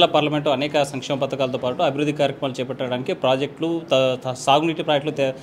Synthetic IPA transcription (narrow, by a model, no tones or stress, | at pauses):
lɐpaːɾlɐmeɳʈloɐnɛːkɐsɐŋkʂɛːmɐpɐt̪ɐkaːlɐt̪oːpaːʈuɐbʱiɾud̪ʱːikaːɾjɐkɾɐmaːlut͡ʃɛːpɐʈːaːɽaːnikipɾaːd͡ʒek̚ʈlusaːɡuniːʈipɾaːd͡ʒekʈlut̪